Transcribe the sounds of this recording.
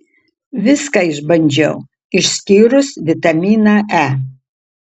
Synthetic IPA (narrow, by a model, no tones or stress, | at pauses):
ʋʲɪskaɪʒbɐnʲd͡ʒʲɛ̰w | ɪʃsʲkʲiːɾʊsʋʲɪt̪ɐmʲiːnaʔæ